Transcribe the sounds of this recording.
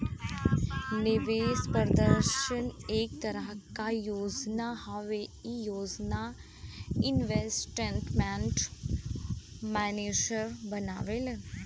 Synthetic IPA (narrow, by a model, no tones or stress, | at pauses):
nɪʋespəɾd̪əɾʃənek̚t̪əɾəɦkajoːd͡ʒnahəʋeijoːd͡ʒna | ɪnʋesʈeɳʈmɛ̃ɳʈ | mɛned͡ʒəɾbənaʋele